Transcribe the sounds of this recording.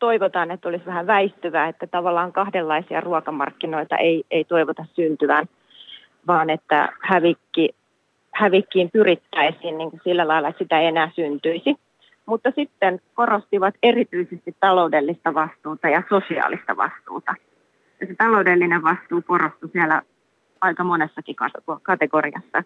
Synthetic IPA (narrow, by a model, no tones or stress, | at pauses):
t̪oiʋot̪ɑːnet̪ːolisʋæhæʋæist̪yʋæːet̪ːæt̪ɑʋɑlːɑːŋkɑhdelːɑisiɑ̰ruɑkɑmɑ̰rkːino̞it̪ɑ̰ʔeieit̪o̞iʋot̪ɑssynt̪yʋæn | ʋɑːnet̪ːæ̰hæʋikːi | hæʋikːiːmpyrit̪ːæisiːnniːŋkusilːælɑilːˑɑet̪sit̪æenæːsynt̪yisi | mut̪ːɑsit̪ːenko̞rost̪iʋɑt̪erit̪yisest̪it̪ːɑlo̞udelːist̪ɑʋɑst̪uːt̪ɑjɑsosiɑ̰ːlist̪ɑ̰ʋɑ̰st̪ṵːt̪ɑ | jɑset̪ɑloudelːineʋʋɑst̪uːkorost̪usielæ̰ | ɑikɑmonesːɑkikɑt̪okɑt̪eɡoriɑ̰sːɑ̰